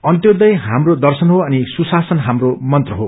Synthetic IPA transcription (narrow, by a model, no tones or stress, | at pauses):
ʌnt̪jod̪ʌjɦamrod̪ʌrsʌnɦoʌnisusasʌnɦamromʌnt̪rʌɦo